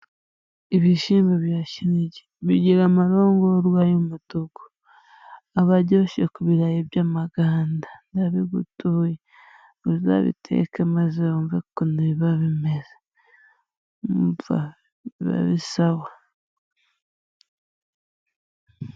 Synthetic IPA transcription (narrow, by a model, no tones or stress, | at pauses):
iβiʃiːmbaβjaːʃiɾiɟe̥βiɟiɾamaɾoːŋɡoɾwaːjomutoɡo̥ | aβaɟoʃḛkuβiɾajeβjaːmaɡaːndandaβiɡutuje | uza̰βḭtʰḛkemazeoːɱvekoniβaβimeze̥ | mva̰ | βa̰βisaβwa